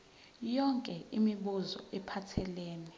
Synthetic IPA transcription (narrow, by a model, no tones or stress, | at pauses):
jɔŋkʼɛimiɓuzɔ̰ɛpʰatʰɛleːni